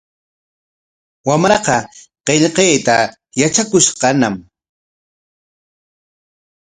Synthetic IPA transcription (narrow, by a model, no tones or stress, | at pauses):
wamɾɑqɑqeʎqejt̪a | jat͡ʃakʊʃqɑnam